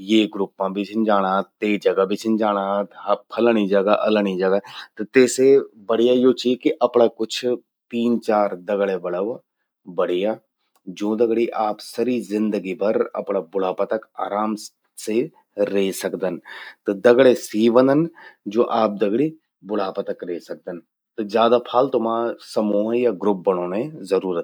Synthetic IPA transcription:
jeːɡɾʊpːãbɪt͡ʃʰnd͡ʒaːɽ̃aːt̪eːd͡ʒɐɡabʱit͡ʃʰnd͡ʒaːɽ̃at̪pʰɐləɽ̃id͡ʒɐɡaʔɐləɽ̃id͡ʒɐɡat̪ot̪eːsebɐɽ̤ijajoːt͡ʃikiʔɐpɳakʊt͡ʃʰ | t̪iːnt͡ʃaːɾd̪ɐɡɭebɐɽəʋ | bɐɽ̤ijaː | d͡ʒõːd̪ɐɡɽiʔaːpsɐɾizɪ̃nd̪əɡipɐɾɐ̰pnabʊɽ̤aːpət̪əka̰ːɾaːm | se | ɾeːsɐkd̪ənt̪od̪ɐɡɭesiːʋə̃nd̪ənd͡ʒoːʔaːp̚d̪ɐɡɽi | bʊɽ̤aːpət̪əkɾeːsɐk̚d̪ən | t̪od͡ʒjaːd̪apʰaːlt̪ʊmaːsɐmõːjaɡɾʊp̚bəɽ̃õnezəɾuːɾət̪

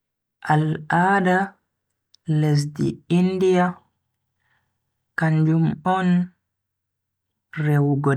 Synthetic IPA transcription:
ʔalaːda | les̬dḭindia | kaɲd͡ʒumɔn | rɛwɡɔ

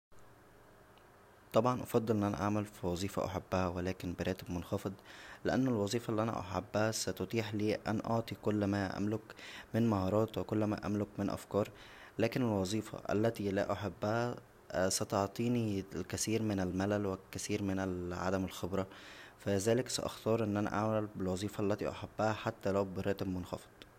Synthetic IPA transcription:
t̪ˤɑbʕɑnʔɑfɑd̪ˤːɨlʔenːʔænæ̰ʔaʕmælfiwɑzˤiːfɑ̰ʔa̰ħabːæhæwelæːkɪnbɪɾˤæːt̪ɪbmonxɑfed̪ˤlɪʔænːælwɑzˤiːfɑʔlːiʔænæ̰ʔa̰ħabːæhæsæt̪ot̪ˤiːħliːʔænʔoʕt̪ˤikʊlːmæːʔæ̰mlʊkmɪnmaɦɑːɾˤɑːt̪wekolːmæ̰ʔæ̰mlʊkmɪnʔæ̰fkɑːɾˤ | læːkɪnelwɑzˤiːfɑ̰ʔæ̰lːæt̪ilæ̰ʔaħabːæhæ | sæt̪oʕt̪ˤiːnilkæsiːɾmɪnælmælælwɪkːæθiːɾmɪnælʕa̰d̪æmelxebɾˤɑfæzæːlɪksæ̰ʔɑ̰xt̪ɑːɾˤʔenːʔænæ̰ʔaʕmælbɪlwɑzˤiːfɑʔlːæt̪ḭʔaħabːæhæħat̪ːælæwbɪɾæːt̪ɪbmonxɑ̰fe̥d̪̥ˤ

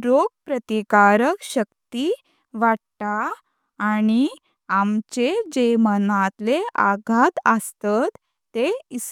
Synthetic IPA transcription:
ɾoɡ̚pɾət̪ikaɾəkɕəkt̪i | ʋaɽt̪aː | ñi | amt͡ɕed͡ʑemənat̪leʔa̰ɡʱat̪əst̪at̪ː | eis

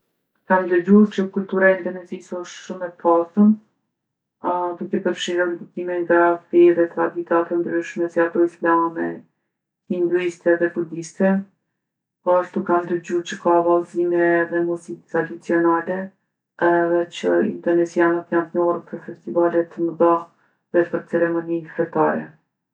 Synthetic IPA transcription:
kamd̪əd͡ʑuɾt͡ɕəkult̪uɾaind̪ɔnɛzisɔʃʃumɛpasən | d̪ukɛpəɾfʃiɾɔnd̪ut̪imɛŋɡafɛɾɛt̪ɾad̪it̪atɛnd̪ɾiʃmɛsiat̪ɔislamɛ | ind̪uist̪ɛðɛbud̪ist̪ɛ | pɔaʃt̪ukand̪əɾd͡ʑuɾt͡ɕəkavalˠzimɛːðɛmuzikt̪ɾad̪it͡siɔnalɛ | ɛðɛt͡ɕəḭnt̪ɛɾnɛsianət̪ɲant̪nɔɾəpəɾfɛst̪ivalɛt̪əməða | ðɛpəɾt͡sɛɾɛmɔnifɛt̪aɾɛ̰

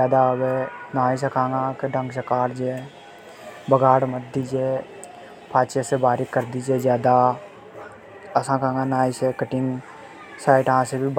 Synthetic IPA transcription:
aːd̪abenaːis̬ekʰãːŋɡãkeɖə̃ŋɡsəkaːɾd͡ʒe | bəɡaːɽməd̪̚d̪id͡ʒeː | pʰaːt͡ʃesebaːɾikəɾd̪id͡ʒeːzjaːd̪a | ɐsãkãːŋɡãnaːisekəʈɪŋ | saːɪʈɦãsebib

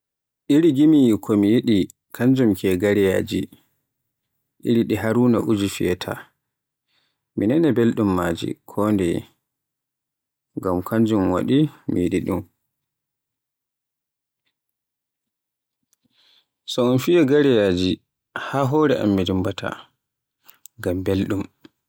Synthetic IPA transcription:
ʔiɾiɡimijikʰɔmijiɗi | kʰaɲd͡ʒumkʰɛɡaɾɛja̰ːd͡ʒi | ɗḭɾiɗiɦaɾuːnaʔud͡ʒifijɛtʰa̰ | minɛnɛbɛlɗumːaːd͡ʒḭkʰɔndɛ | ɡamkʰaɲd͡ʒumwa̰ɗimḭɗiɗum | sɔɔnfijɛɡaɾɛjaːd͡ʒi | haːɦɔːɾɛʔa̰mːidimbatʰa̰ | ɡambelɗum

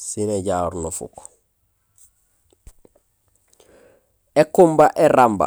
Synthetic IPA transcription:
sineɟaːɾnofṵk | ekumbaʔeɾamba̰

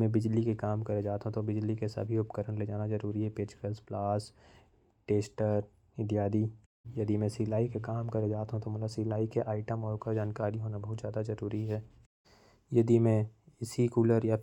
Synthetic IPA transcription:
mẽbɪd͡ʒlikekaːmkɐɾed͡ʒaːt̪ɦũt̪obɪd͡ʒlikesɐ̰bʱiʊpkəɾəñleːd͡ʒaːnazɐɾuːɾiɦɛpeːt͡ʃkəlsplaːs | ʈeːsʈəɾ | ɪd̪jaːd̪i | jɐd̪imẽsɪlaːikekaːmkɐɾed͡ʒaːt̪ɦũt̪omɐt̪ləbsɪlaːikeʔaːɪʈəmɔːɾkad͡ʒaːnkaːɾiɦoːnabɐɦʊt̪zjaːd̪azɐɾuːɾiɦɛː | jɐd̪imẽɪsikuːləɾja

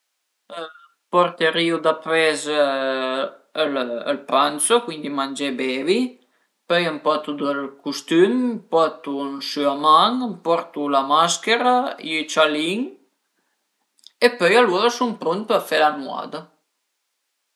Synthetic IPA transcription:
pɔɾt̪əɾiud̪apɾɛz | ələlpansokwind̪imand͡ʒɛbɛvi | pœjəmpɔt̪ud̪əlkust̪ympɔt̪unsyamaŋpɔɾt̪ulamaskeɾat͡ʃaliŋ | epœjaluːɾasumpɾunt̪̚pəɾfɛlanwa̰d̪ə

